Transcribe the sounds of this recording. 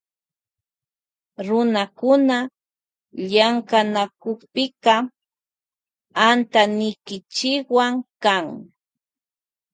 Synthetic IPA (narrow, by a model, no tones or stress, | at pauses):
ɾʊnakʊna | ʎaŋkanakoχpɪkɑ | ant̪anɪjkɪt͡ʃɪkwaŋkaŋ